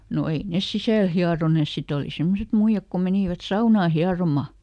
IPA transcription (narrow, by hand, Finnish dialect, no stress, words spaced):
no ei nes sisæˑl hiɑroneˑs sit oli semːoset muij̆ɑk ko meniˑʋæt sɑunɑː hiɑromɑ